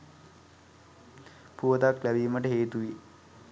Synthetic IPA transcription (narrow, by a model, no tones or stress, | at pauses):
puʋət̪aklæʋiːməʈəɦeːt̪uʋi